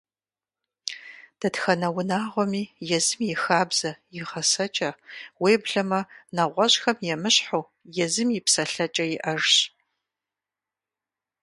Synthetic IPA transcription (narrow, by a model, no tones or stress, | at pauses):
d̥ɐtxɐnɐwʊnaːʁʷɔmiːjɛzɨmjɪxaːbz̥ɐjɪʁɐsɐt͡ʃʼɐweːbɮɐmɐnɐʁʷɔɕxɐmjɛmɨɕħow | jɛzɨmjɪpsɐɬɐt͡ʃʼɐjɪʔɐʐɕ